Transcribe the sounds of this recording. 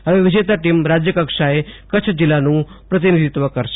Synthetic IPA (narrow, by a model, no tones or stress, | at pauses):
əʋeʋɪd͡ʒet̪aʈimɾad͡ʒjəkəkʃaekət͡ʃʰd͡ʒilːanũpɾət̪inid̪ʱit̪ʋəkəɾʃ